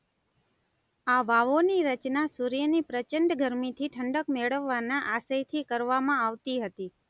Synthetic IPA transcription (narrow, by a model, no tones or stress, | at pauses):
aʋaʋoniɾət͡ʃnasuɾjənipɾət͡ʃəɳɖɡʱəɾmit̪ʰiʈʰəɳɖəkmeɭəʋːanaʔasəjt̪ʰikəɾʋamãaʋt̪iɦət̪i